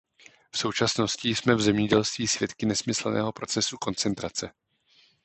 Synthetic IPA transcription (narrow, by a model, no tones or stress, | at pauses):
fso̞wt͡ʃasno̞scɪsmɛvzɛmɲɛɟɛlst̪viːsvjɛt̪kɪnɛsmɪsl̩nɛ̰ːɦo̞pɾo̞t͡sɛsuko̞nt͡sɛnt̪ɾat͡sɛ